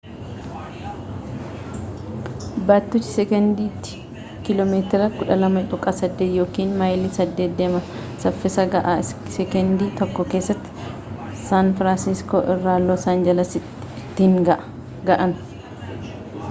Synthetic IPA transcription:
baːt̪ːʊːt͡ʃːɪ̥sɛkɛnd̪iːt̪ːɪ̥ | kɪlɔmeːt̪ɪɾɐkʊᶑɐlɐmɐᶑʼʊkʼɐsɐd̪ːeːt̪joːkiːnmaːjlisɐd̪ːeːd̪ːeːmɐ | sɐfːɪsɐɡɐʔasɛkɛnd̪iːt̪ɔkːɔke̞ːsːɐt̪ːɪ̥ | saːnfɾaːnsɪsko̰ːʔɪrːaːlːoːsaːnd͡ʒɐlɐsɪt̪ː | t̪ːiŋɡɐʔ | ɡɐʔɐn

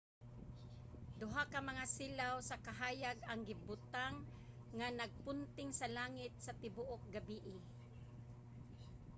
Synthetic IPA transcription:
d̪ʊɦakamaŋasilawsakaɦaːjaɡaŋɡɪbʊt̪aŋː | anaɡ̚pʊnt̪ɪŋsalaːŋɪt̪̚sat̪ɪbuʔok̚ɡabiʔɪ

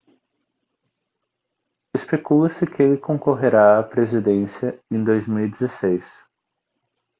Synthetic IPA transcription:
espekulɐsɪkɪelɪkõkoɦeɾaɐpɾezid̪ẽsiɐẽd̪ojzmiwid̪ezesejs

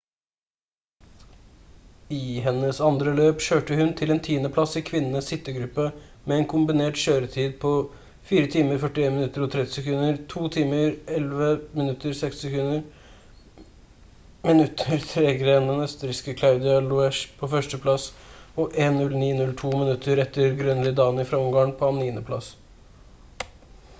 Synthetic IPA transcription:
ɪɦɛnːəsɑnd̪ɾəløːpʃøːʈəhʉnt̪ʰɪlɛːnt̪ʰiːənəpʰlɑsɪkʰʋɪnənəsɪt̪ːəɡɾʉpːə | mɛɛːnkʰʊmbɪneːʈʃøːɾət̪ʰiːd̪̚pʰɔ | fiːɾət̪ʰiːməɾfœʈɪeːnmɪnʉt̪ːəɾɔt̪ʰɾɛt̪ːɪ̥səkʉnəɾt̪ʰuːt̪ʰiːməɾɛlʋəmɪnʉt̪ːəɾsɛkst̪ɪsɛkʉnːəɾ | mɪnʉt̪ʰːəɾt̪ʰɾɛːɡɾend̪ɛnœst̪əɾɪskəkʰlaʉd̪ɪɑlʊɛʂpʰɔfœʂʈəpʰlɑsɔʔeːnnʉlniːnʉlt̪ʰuːmɪnʉt̪ʰːəɾɛt̪ːəɾɡɾœnlɪd̪ɑːnɪfɾɑʊmɡɑənpʰɔɑniːnəpʰlɑ̰s

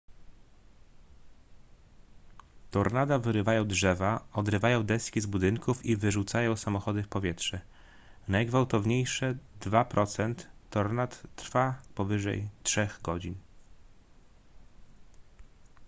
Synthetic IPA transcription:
t̪ɔɾnad̪avɘɾɘvajɔ̃w̃dʐɛvaɔd̪ɾɘvajɔ̃w̃d̪ɛskʲizbud̪ɘŋkufivɘʐut̪sajɔ̃w̃samɔxɔd̪ɘfpɔvʲjɛtʂɛ | najɡvawt̪ɔvɲejʂɛd̪vapɾʔɔt̪sɛnt̪ːɔɾnat̪ːɾfapɔvɘʐɛ̰jtʂɛɣɡɔd͡ʑin

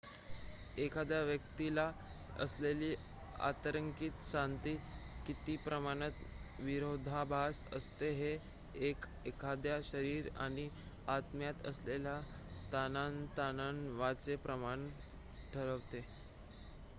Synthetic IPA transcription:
ekʰad̪jaʋjək̚t̪ila | ə̰sleliː | a̰t̪əɾəŋkiːt̪ɕant̪iːkit̪iːpɾəmaɽ̃ət̪ʋiɾod̪ʱabʱasə̰st̪eɦe | ek | ekʰad̪jaɕəɾiːɾa̰ɽ̃i | at̪mjat̪ə̰slelja | t̪anant̪ananʋat͡sepɾəmaɳ | ʈʰəɾəʋt̪e

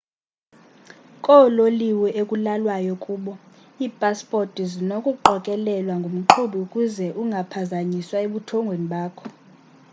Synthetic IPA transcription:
kʼɔloliwɛʔekʼulalwajɔkʼuːɓɔ | iːpʼaspʼortʼizinokʼuǃʱɔkʼɛlɛlwaŋɡʱom̩ǃʰuɓiukʼuzɛʔuŋɡʱapʰazaɲiswaeɓutʰɔŋɡʱweniɓaːkʰɔ

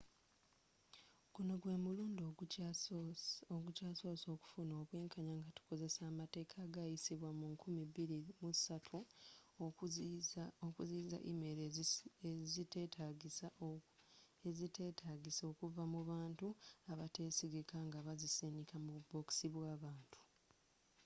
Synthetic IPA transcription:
ɡ̥uno̞ɡwe̞ːmuluːndo | oɡucaːso̞ːso̞ːku̥funo̞ːβwe̞ːŋkʰaɲaŋɡatu̥ko̞ze̞saːmate̞ːkʰaːɡajisiβwamuŋkʰumiβiɾimusatʰu | okuziːza̰ʔḭmeɾezitetʰaɡisa | ezitetʰaɡiso̞ːkuvamuβaːntuaβate̞ːsiɡikaŋɡaβazisenikʰamubo̞ksiβwaːβaːntʰu̥

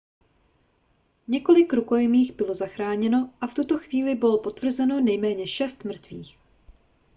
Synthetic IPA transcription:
ɲɛko̞lɪkɾuko̞jɛmiːɣbɪlo̞zaxɾaːɲɛno̞ʔaft̪ut̪o̞xviːlɪbɪlopo̞t̪vr̩zɛno̞nɛjmɛːɲɛʃɛst̪mr̩t̪viːx

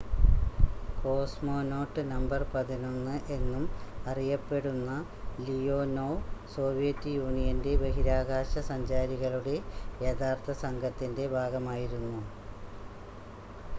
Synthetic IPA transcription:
ko̞ːsmo̞ːno̞ːʈːɨnɐmbɐrpɐðino̞nːɨʔe̞nːumɐrijɐpːe̞ɽunːɐ | lijo̞ːnoːso̞ːʋijɐtːɨjuːɳijɐnde̞beɦiɾaːɡaːɕɐsɐɲd͡ʑaːɾiɣɐɭuɽe̞jet̪ʰaːrt̪ʰɐsɐŋɡʱɐt̪ːinde̞bʱaːɡɐmaːjiɾunːu

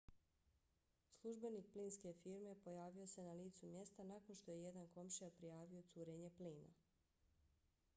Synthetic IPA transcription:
slˠuʒbe̞nik̚pliːnske̞fiɾme̞po̞jaːʋio̞se̞naliːt̪sumje̞st̪anako̞nʃt̪o̞je̞je̞d̪anko̞mʃijapɾijaːʋio̞t̪suːɾeɲe̞pliːna̰

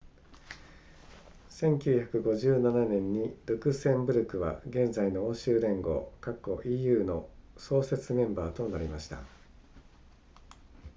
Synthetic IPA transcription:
sẽ̞ŋkʲɨːçakɯ̟ɡo̞ʑɨːnananẽ̞ɲ̟ːiɾɯkɯ̟sẽ̞mbɯ̟ɾɯ̟kɯ̟βa̰ɡẽ̞nd͡zaino̞oːɕɨːɾẽ̞ŋɡo̞̰ːkakːo̞ʔijɯ̟ːno̞so̞ːse̞t͡sɨmẽ̞mbaːt̪o̞naɾʲimaɕi̥t̪a̰

